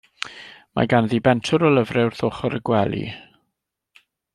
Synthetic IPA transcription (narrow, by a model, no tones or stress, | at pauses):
ma̰ɡanðiːbɛntʰʊɾɔlˠəvrɛwrθʊχɔɾəɡwɛlˠḭ